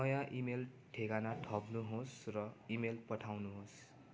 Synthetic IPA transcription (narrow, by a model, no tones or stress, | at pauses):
nʌjãʔimel | ʈʰeɡanaʈʰʌbnuɦosrʌimelpʌʈʰawnuɦos